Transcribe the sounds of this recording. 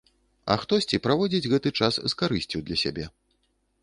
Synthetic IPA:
ɐ̰xt̪ɔsʲt͡sʲipɾavɔd͡zʲid͡zʲɣɛt̪ɨt͡ʂasːkaɾɨsʲt͡sʲiwd̪lʲɐsʲa̰bʲɛ

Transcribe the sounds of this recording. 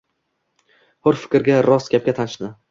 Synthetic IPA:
hʊɾfɪ̥kʲɾɡʲaɾɒsɡʲap̚kʲat̪ʰanɪʃnɪ

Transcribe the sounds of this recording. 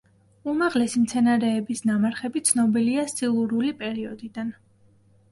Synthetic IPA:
umaʁlɛsimt̪sʰɛnaɾɛːbisnamaɾχɛbit̪sʰnɔbiliast̪ʼilˠuɾulipʼɛɾiɔd̪id̪an

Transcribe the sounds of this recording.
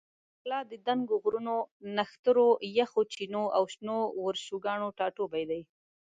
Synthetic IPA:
klɑd̪əd̪aŋɡoɣɾunonaxt̪əɾojaxot͡ʃinoʔawʃnowəɾʃuɡɑɳoʈɑʈobajd̪aj

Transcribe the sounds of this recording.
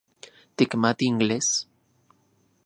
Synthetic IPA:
t̪ikmat̪iːŋɡles

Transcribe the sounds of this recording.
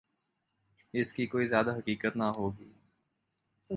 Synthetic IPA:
ɪskikoːizjaːd̪aɦɐkiːkət̪naɦoːɡiː

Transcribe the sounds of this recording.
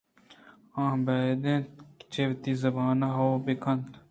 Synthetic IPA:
ãːbaːd̪ẽːt̪kt͡ʃeʋt̪izɐbaːnaɦoːbekʰɐnt̪

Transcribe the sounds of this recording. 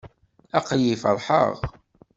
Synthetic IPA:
æqjifəɾˤħə̰ʁ

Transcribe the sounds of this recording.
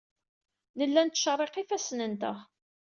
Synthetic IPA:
nəlːænt̪ːʃərˤːeqifæsnənt̪ə̰ʁ

